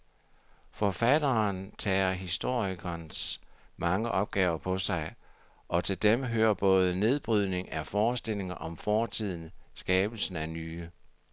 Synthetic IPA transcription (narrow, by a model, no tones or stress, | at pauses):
fɒfæd̥ɐnt͡sʰɛ̰ːɐɦisd̥o̝ɐ̰iɡ̥ɐnsmɑ̈ŋəʔɒ̽b̥̚ɡ̥ɛ̰ːʊɐpʰɒ̽sɑ̈ɪ | ʔɒ̽t͡sʰe̝ld̥emɦøːɐb̥ɔ̽ːð̞ˠəne̝ð̞ˠb̥ʁyð̞̰ˠne̝ŋæfɒːsd̥e̝le̝ŋɐʔɒ̽mfɒːt͡sʰið̞̰ˠn̩sɡ̥ɛːb̥l̩sn̩ænyː